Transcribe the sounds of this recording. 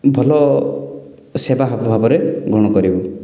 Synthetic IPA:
bʱɔlɔ | sebaɦabʱɔbʱabɔɾeɡɾɔɽ̃ɔkɔɾibɔ

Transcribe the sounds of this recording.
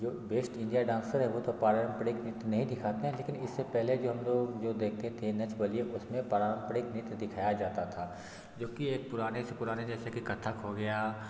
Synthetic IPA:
d͡ʒoːbeːsʈɪ̃ɳɖijaɖãːnsəɾɦɛʋot̪ʰopaːɾaɾəmpəɽɪknɪt̪nɐɦĩd̪ɪkʰaːt̪eɦɛ̃leːkɪnɪsːepɛɦled͡ʒoːɦɐmloːɡd͡ʒoːd̪eːk̚ʰt̪et̪ʰenɐt͡ʃbɐlieʔʊsmẽpaːɾaːɾəmpəɽɪknɪt̪d̪ɪkʰaːjad͡ʒaːt̪at̪ʰaː | d͡ʒoːkieːk̚pʊɾaːnesepʊɾaːned͡ʒɛːsekikɐt̪ʰːakɦoɡɐjaː

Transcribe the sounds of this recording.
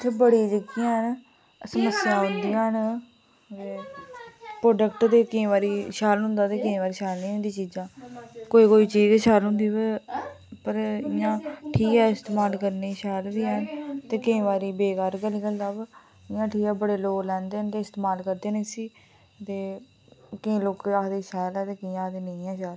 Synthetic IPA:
t̪eːbəɽiːd͡ʒəɡiãːɦn | səməsːɪjãːɦʊ̃nd̪ijãːɦn | t̪e | pɾoːɖəkʈt̪eːkːʋaːɾiːʃaːlɦʊ̃nd̪aːt̪eːkɪĩːʋaːɾiːʃaːlniːɦʊ̃nd̪iːt͡ʃiːd͡ʒãːkoːiːkoːiːt͡ʃiːd͡ʒeʃaːlɦʊ̃nd̪iːbe | pəɾɪjãːʈʰiːkɛːɪst̪eːmaːlkəɾniːʃɛːld̪iːɦənt̪eːkɪĩːʋaːɾiːbeːkaːɾɡəliːkəld̪aːb | ɪjãːʈʰiːkɛːbəɽeːloːklɛ̃ːnd̪eːnt̪eːɪst̪eːmaːlkəɾd̪eːnẽːsiː | t̪eː | kɪ̃ːloːkaːd̪eːʃɛːlɛːt̪eːkɪːaːd̪eːnə̃ĩːɛːʃaːl

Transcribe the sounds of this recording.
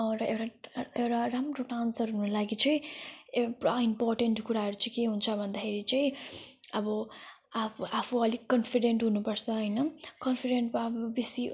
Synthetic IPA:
ʌ̃ɾʌewɽaewɽaɾamroʈansʌɾɦunolaɡit͡sʌĩeɽaimporʈeɳʈkuɾaɦʌɾut͡sʌĩkeɦunt͡sʰʌbʱʌnd̪akʰeɾit͡sʌĩʌbʌ | aapʰuʌlikʌnpʰiɖeɳʈɦunupʌɾt͡sʰʌɦʌjnʌkʌnpʰiɖeɳʈmabbisi

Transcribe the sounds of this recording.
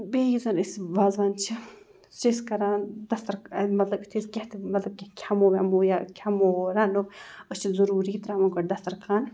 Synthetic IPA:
beːjizɐnisʋaːzʋaːnt͡ʃʰi | siskɐɾaːnd̪ɐst̪ɐɾmɐt̪lɐbit̪ʰiskʲeht̪mɐt̪lɐb̚kʲekʲʰamoːʋʲamujakʲʰamoɾaːnuət͡ʃʰizɐɾuːɾiːt̪ɾaːmɐɡɐd̪ɐst̪ɐɾkʰaːn

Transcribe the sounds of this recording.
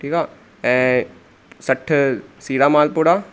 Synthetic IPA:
ʈiːkaː | e | sɐʈʰːɨsiːɾaːmaːlpuːɽaː

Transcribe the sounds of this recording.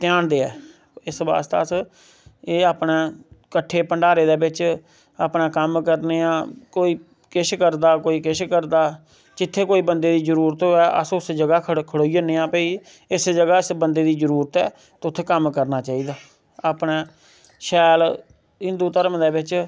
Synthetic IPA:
t̪ɪjãːnd̪eːɛ̰ː | ɪsba̰ːst̪a̰ːəs | eːaːpnẽːkəʈʰːeːpəɳɖaːɾeːd̪eːbɪt͡ʃ | a̰ːpnãːkəmkəɾneːãːkoːiː | kɪʃkəɾd̪aːkoːiːkɪʃkəɾd̪aː | d͡ʒɪt̪ʰːeːkoːiːbənd̪eːd̪iːzəɾuːɾət̪oːɛːʔə̰sʊsd͡ʒəɡaːkʰkʰəɽoːiəneːãːpəiː | ɪsd͡ʒəɡaːɪsbənd̪eːd̪iːd͡ʒəɾuːɾt̪ɛ̰ː | t̪ːʊt̪ʰːeːkəmkəɾnaːt͡ʃaːiːd̪aː | aːpneː | ʃɛːl | ɦɪ̃nd̪uːt̪əɾəmd̪eːbɪt͡ʃ

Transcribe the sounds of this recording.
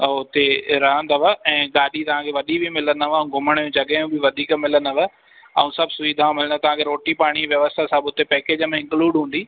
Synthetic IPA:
ʊt̪eɾɐɦə̃nd̪əʋəɛ̃ːɡaːɗit̪ɐʋ̤ãːkʰeʋɐɗibʱimɪlənəʋɐũɡʱʊməɽ̃jũd͡ʑɐɠəjũbʱiʋɐd̪ʱiːkmɪlənəʋə̆ | ɐ̰ũsɐbʱsʊiːd̪ʱaʋãmɪlə̃nd̪t̪ɐʋ̤ãːkʰeɾoːʈipaːɽ̃iʋjɐʋəst̪ʰasabʊt̪epɛːkeːd͡ʑəmẽɪ̃ŋkluːɖɦũːnd̪iː

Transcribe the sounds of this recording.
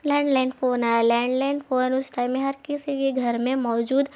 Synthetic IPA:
lɛ̃ːɳɖlaɪnfoːnaːalɛ̃ːɳɖlaɪnfoːnʊsʈaɪ̃mːẽɦɐɾkɪsikeɡʱɐɾmẽmɔːd͡ʒuːd̪

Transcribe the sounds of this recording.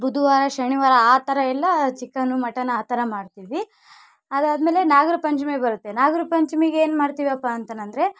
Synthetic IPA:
bud̪ʱuʋaːɾɐʃɐɳiʋaːɾɐaːt̪ɐɾɐɛlːɐt͡ʃikːɐnumɐʈːɐnɐaːt̪ɐɾɐmaːɖt̪iʋi | ɐd̪aːd̪meːle̞naːɡɐɾɐpɐɲt͡ʃmebɐɾut̪ːenaːɡɐɾɐpɐɲt͡ʃɐmeɡeeːnmaːɽt̪iʋiɐpːaɐnt̪ɐnɐnd̪ɐɾe̞

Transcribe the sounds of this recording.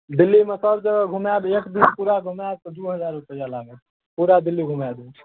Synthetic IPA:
d̪ilːimesəbd͡ʒəɡəɡʱumabekd̪inpuɾaɡʱumab̚t̪ɔd̪uɦəd͡ʒaɾupəjalaɡə | puɾad̪ilːiɡʱumab̪e

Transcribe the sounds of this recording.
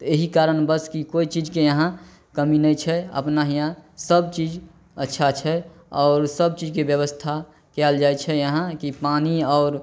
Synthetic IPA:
t̪ɔeɦikaɾənbəskikoit͡ʃid͡ʒkejəɦã | kəminəjt͡ʃʰɛə̰pnaɦijãsəb̚t͡ʃid͡ʒ | ətːʃʰat͡ʃʰɛ | ɔːɾsəb̚t͡ʃid͡ʒkebjəβəst̪ʰa | kɛld͡ʒajt͡ʃʰɛjəɦãkipaniɔːɾ

